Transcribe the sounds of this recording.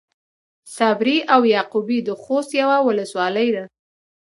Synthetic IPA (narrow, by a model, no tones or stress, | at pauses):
sabɾiʔawjɑqubid̪əxost̪jawawʊləswɑləjd̪a